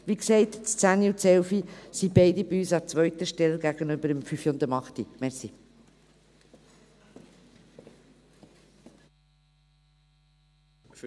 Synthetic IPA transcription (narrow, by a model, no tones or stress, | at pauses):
ʋiksɛɪtt͡st͡sæniutt͡sɛwfisibɛɪdibiyːsɑt͡svʋœɥt̪əʃtɛlɡæɡ̥ənʏbəɾəmfyfiʊnd̪əmɑχtḭmɛɾsḭ